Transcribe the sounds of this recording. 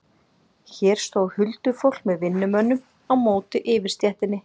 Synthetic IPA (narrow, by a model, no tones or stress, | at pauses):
çɛːɾ̥st̪oːwhʏlt̪ʏfowl̥kmɛðvɪnːʏmœnːʏm | awmoːwt̪ɪʔɪːvɪɾ̥st̪jɛht̪ɪnːɪ